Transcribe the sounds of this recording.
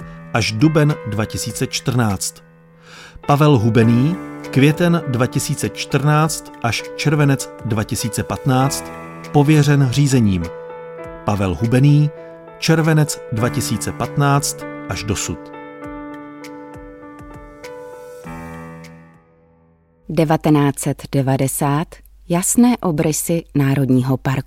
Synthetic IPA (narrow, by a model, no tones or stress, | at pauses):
ʔaʒdubɛndvacɪsiːt͡sɛt͡ʃt̪r̩naːt͡st̪ | pavɛlɦubɛniːkvjɛt̪ɛndvacɪsiːt͡sɛt͡ʃt̪r̩naːt͡st̪ʔaʃt͡ʃɛɾvɛnɛt͡sdvacɪsiːt͡sɛpat̪naːt͡st̪ | po̞vjɛr̝ɛnr̝iːzɛɲiːm | pavɛlɦubɛniː | t͡ʃɛɾvɛnɛt͡sdvacɪsiːt͡sɛpat̪naːt͡st̪ʔaʒdosut̪ | dɛvat̪ɛnaːt͡sɛt̪dɛvadɛsaːt̪ | jasnɛːʔo̞bɾɪsɪnaːɾodɲiːɦopaɾku